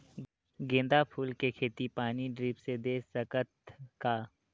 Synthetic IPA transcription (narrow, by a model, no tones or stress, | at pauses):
ɡẽːnd̪apʰuːlkekʰeːt̪ipaːniɖɾiːpsed̪eːsəkət̪kaː